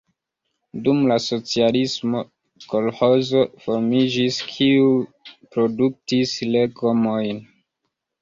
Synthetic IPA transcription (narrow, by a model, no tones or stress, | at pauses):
dumlaso̞t͡sialismo̞ | ko̞lho̞zo̞fo̞ɾmid͡ʒiskʰiupɾo̞duk̚tisle̞ɡomo̞jn